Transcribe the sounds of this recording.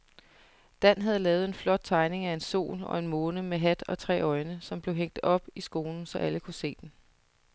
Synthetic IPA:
d̥æn̰ɦæðˠlɛːʊð̩ˠe̝nflɒ̽d̥̚t͡sʰɑ̈ɪne̝ŋæe̝nso̝̰ːlɒ̽e̝nmoːnəmeɦæd̥ɒ̽t͡sʰʁɛ̰ːɒ̽ɪnəsɒ̽mb̥le̝ʊɦeŋ̰d̥ɒ̽b̥isɡ̥o̝ːln̩sɒ̽ʔæləkʰuse̝̰ːd̥en̩

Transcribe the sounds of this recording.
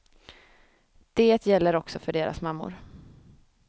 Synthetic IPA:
d̪̥eːt̪jɛlːəɾɔksɔfœɖeːɾʔa̰smamːʊ̰ɾ

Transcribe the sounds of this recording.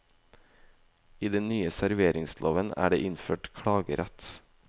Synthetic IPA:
iːd̪ɛnnyːəsæɾʋeːɾɪŋslʔoːʋənæ̰ːɖḛːʔɪnføːʈkʰɽɑːɡəɾæt̪

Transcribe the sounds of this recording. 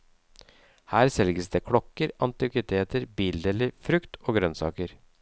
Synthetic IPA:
hæːɾsɛlɡəsd̪eːkʰɽɔkːəɾɑnt̪ɪkɪt̪ʰeːt̪əɾbiːld̪eːlɪfɾʉkt̪ʰoːɡɾœnsɑ̰ːkəɾ

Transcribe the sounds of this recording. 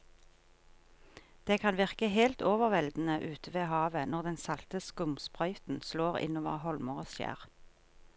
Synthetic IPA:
d̪̥eːkʰɑnʋɪʁkəhelt̪oːʋəʁʋɛld̪n̩əʔʉːt̪ʰəʋeːhɑːʋənɔʁd̪ɛnsɑlt̪əskʊmspʁœʏt̪n̩sloːʁɪ̰noːʋə̰ʁhɔlməʁoːsjæ̰ːʁ

